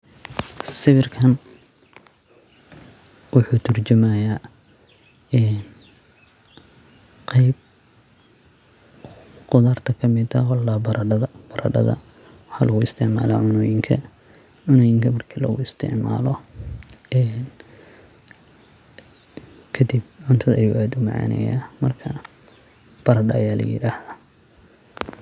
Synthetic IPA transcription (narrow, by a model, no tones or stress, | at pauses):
sɪβɪrkʰɐn | wʊħuːt̪ʰʊrt͡ʃɪmɐjaː | ɛːn | qɑjb̚ | qʊðart̪ʰɐkʰɐmɪd̪ɐwɑlːɐbɐɾɐɖɐðɐb̥ɐɾɐ̰ɖɐ̰ðɐ̰wħa̰lɐɣʊɪst̪ʰɪʕmaːlaʕʊnɔːjɪŋkʰɐʕʊnɔːjɪŋkʰɐmɐrkʰiːlɐ̰ɣʊ̰ɪst̪ʰɪ̰ʕma̰ːlɔ | ʔɛːn | kʰɐd̪ibʕʊnt̪ʰʊd̪ɐjuːʔaːd̪ʊmɐʕa̰ːnɐ̰jaːmɐrkʰɐ | b̥ɐɾɐɖɐːjaːlɐ̰jɪ̰ɾaːhðɐ